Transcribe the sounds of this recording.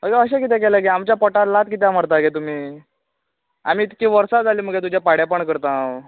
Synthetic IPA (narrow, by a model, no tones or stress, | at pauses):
məɡeəɕekit̪ɛ̃keləkeamt͡ɕjapɔʈat̪lat̪̚kit̪jaməɾt̪aɡet̪um̤iː | a̰m̤iːt̪kiːʋəɾsad͡zʱaliːm̤əɡet̪̬ud͡ʑjapaɽjapəɳkəɾt̪aw